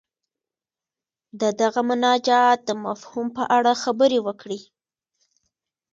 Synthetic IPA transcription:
d̪əd̪aɣamʊnɑd͡ʒat̪̚d̪əmafhumpəʔaɽaxabəɾewəkɽi

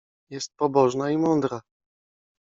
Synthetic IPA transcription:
jɛst̪̚pɔbɔʐnaimɔnd̪ɾa

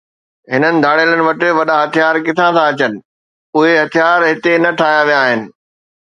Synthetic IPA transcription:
ɦɪnənɪ̆d̪ʱaːɽeːlənɪ̆ʋɐʈɪ̆ʋɐɗaɦɐt̪ʰijaːɾkɪt̪ʰãsãɐt͡ɕənɪ̆ | ʊɦeɦɐt̪ʰijaːɾɦɪt̪enɐʈʰaːjaʋijaːɦɪnɪ̆

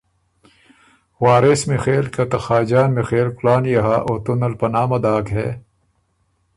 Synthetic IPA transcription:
waːɾesmexeːlkɐt̪ɐxaːd͡ʑaːnmexeːlkulaːnjɐɦaːʔoːt̪unɐlpɐnaːmɐd̪aːkɦɛ̰ː

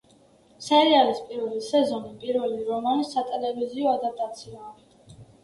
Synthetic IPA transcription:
sɛɾialispʼiɾvɛlisɛzɔnipʼiɾvɛliɾɔmanisːat̪ʼɛlɛviziɔad̪ap̚t̪ʼat̪sʰia

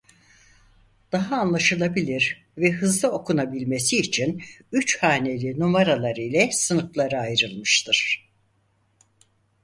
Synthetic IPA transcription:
d̪̥aɦaːnlˠaʃɯlˠabilʲiɾ | vɛɦɯzlˠao̞kʰunabilʲme̞siːt͡ʃʰinyt͡ʃhaːnelʲinumaɾalˠaɾɯjlʲɛsɯnɯklˠaɾɯajɾɯlˠmɯʃt̪ʰɯɾ̥

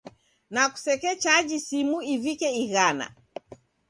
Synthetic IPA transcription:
naku̥sɛkɛt͡ʃad͡ʒisimuivikɛiɣana̰

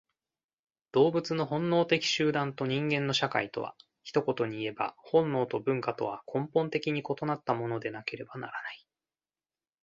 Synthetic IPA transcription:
d̪̥o̞ːbɯ̟t͡sɨno̞ɦõ̞nːo̞ːt̪e̞kʲi̥ɕɨːd̪ãnt̪o̞ɲ̟ĩŋɡẽ̞nːo̞ɕaka̰it̪o̞̰βa̰ | çi̥t̪o̞ko̞t̪o̞ɲ̟iːe̞ba̰hõ̞nːo̞ːt̪o̞bɯ̟̃ŋkat̪o̞βakʰõ̞mpõnt̪e̞kʲiɲ̟iko̞t̪o̞nat̪ːamo̞no̞d̪e̞nake̞ɾe̞banaɾanai

